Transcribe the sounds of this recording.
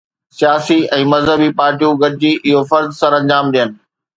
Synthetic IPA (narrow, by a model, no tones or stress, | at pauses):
sijaːsiɛ̃ːmɐzɦəbipaːɾʈijũɡɐɾɪd͡ʑiːʔɪɦofɐɾzsɐ̃ɾɐ̃ɲd͡ʑaːmɗ̪ijənɪ̆